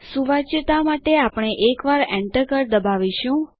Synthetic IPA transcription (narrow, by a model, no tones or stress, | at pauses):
suʋat͡ʃt̪amaʈeapɳ̃eʔekʋaɾɛɳʈəɾkəɾd̪əbaʋiʃũ